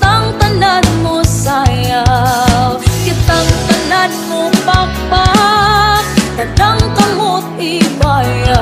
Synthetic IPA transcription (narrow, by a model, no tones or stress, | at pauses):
t̪aŋt̪ɐnanmosajawkɪt̪aŋt̪ɐnanmopak̚pa | d̪ɐd̪aŋkɐmot̪̚ɪbaja